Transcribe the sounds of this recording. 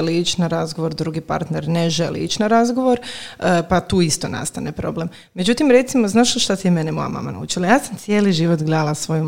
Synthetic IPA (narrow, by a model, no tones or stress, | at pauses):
liit͡ʃnaɾazɡoʋo̞ɾd̪ɾuɡipa̰ɾt̪neɾneʒelḭḭt͡ʃnaɾazɡo̞ʋo̞ɾəpat̪uːist̪o̞na̰st̪anepɾo̞ble̞m | mːed͡ʑut̪imɾe̞t̪simoznaːʃoʃt̪at̪imenemo̞̰ja̰ma̰ma̰na̰ṵːt͡ʃilajaːsamt̪sije̞ːliʒiʋot̪ɡled̪alasʋoju